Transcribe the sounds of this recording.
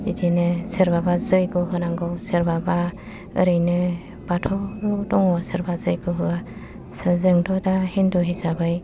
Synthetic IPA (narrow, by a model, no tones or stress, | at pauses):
idinɯseɾbabazɯjɡɔɦɯnaŋɡɯwseɾbaba | ɯ̰ɾɯjnɯ | b̥atʰɔɾɔdɔŋɔsɯɾbazɯjɡɔɦɯɡa | sɯzɯŋdɔdahindɔɦizabɯj